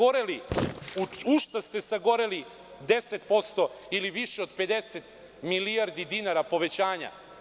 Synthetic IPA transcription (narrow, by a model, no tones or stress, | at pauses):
oɾeliuuʃt̪ast̪e̞saɡo̞ɾeli | d̪e̞set̪po̞st̪o̞iliʋiʃeo̞d̪pe̞d̪eset̪ | miliaɾd̪id̪inaɾapo̞ʋet͡ɕaːɲa̰